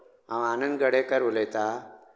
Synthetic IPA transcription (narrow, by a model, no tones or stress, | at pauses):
ãwanənd̪ɡəɽekəɾulet̪a